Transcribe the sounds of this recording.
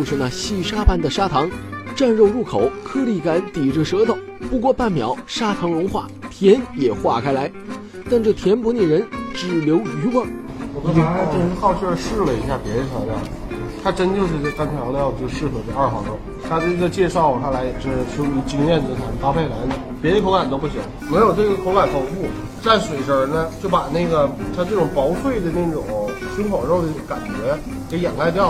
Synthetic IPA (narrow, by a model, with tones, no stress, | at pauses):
ʂɻ̩˥˧na˥˩ɕi˥˩ʂa˥pa˥˩nd̪ə˩ʂa˥t̪ʰɑ˧˥ŋʈ͡ʂa˥˧nɻo˥˧ʊɻu˥˩kʰo˨˩˦ʊkʰɤ˥li˥˩ka˧˥nt̪i˨˩ʈ͡ʂə˧˩ʂɤ˧˥t̪ɑ˨˩˦ʊ | pu˧˥kwɔ˥˧pa˥˩nmjɑ̰˨˩˦ʊʂa˥t̪ʰɑ˧˥ŋɻʊ˧˥ŋxwa̰˥˩t̪ʰjɛ˧˥njɛ˨˩xwa˥˩kʰa˥ɪla˧˥ɪ | t̪a˥˧nʈ͡ʂɤ˥˩t̪ʰjɛ˧˥npu˧˥ni˥˩ɻə˧˥nʈ͡ʂɻ̩˨˩ljo˧˥ʊy˧˥wə˥˩ŋʰ˥˩ | a˥xɑ˥˧ʊt͡ɕʰy˥ə˥˧ʂɻ̩˥˩lə˨i˨˧˥ɕ̬ja˥˩pjɛ˧˥ɻə˧˥ɕɑ˧˥ljɑ˥˩˨t̪ʰa˥ʈ͡ʂə˥nt͡ɕjo˥˧ʊʂɻ̩˥˧˥kɑ˥ŋt͡sʰjo˧˥˧jɑ˥˧t͡ɕʂɻ̩˥˩kʰɤ˨˩ʈ͡ʂə˥˧ɐ˞˥˩xɑ˧˥ʈ͡ʂo˥˩ | t̪ʰa˥t̪ə˥˧t͡ɕjɛ˥˧ʂɑ˥˩ʊ˩t̪ʰa˧˥la˧˥ɪ˨˩o˥˩ʂ̩˥˩ʈ͡ʂʰu˥˧˥t͡ɕi˥ŋjɛ˥˩nt͡s̩˧˩sʰa˧˥t̪a˥pʰe˥˩ɪla˧˥nd̪ə˨pjd̪ə˧kʰo˧˥ʊka˨˩nt̪o˥ʊpu˥˩ɕi˨˩˦ | me˧˥ɪjo˨˩ʊʈ͡ʂɤ˥˩ɡə˩kʰo˧˥ʊka˨˩nk̪ʰo˨˩ʊfu˥˩ | t͡sa˥˩ɪʂwe˨˩ɪʈ͡ʂə˞˨˩nə˦t͡ɕjo˥˩ʊpa˨˩na˥˩ɡə˩t̪ʰa˥ʈ͡ʂɤ˥˩ʈ͡ʂʊ˨˩ŋpɑ˧˥ʊswe˥˩ɪd̪ə˩na˥˩ɪʈ͡ʂʊ̰˨˩˦ŋʂwə˥nxwɑ˨˩ʊʈ͡ʂo˥˩ʊd̪ə˧˥˩ka̰˨˩nt͡ɕɥɛ˧˥ | ke˧˥ɪjɛ̰˨˩nla˧˥ɪt̪̬jɑ˥˩ʊ